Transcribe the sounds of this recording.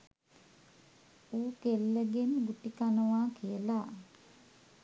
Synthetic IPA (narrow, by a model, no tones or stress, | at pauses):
uːkelːəɡenɡuʈikanəʋaːkijəla